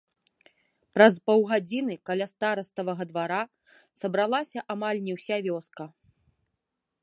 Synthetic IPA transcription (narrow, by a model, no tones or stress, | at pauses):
pɾɐspɔwɣad͡zʲinɨkalʲast̪aɾɐst̪ɐvɐɣɐd̪vaɾa | sɐbɾalˠasʲɐʔamalʲnʲɛwsʲavʲɔskɐ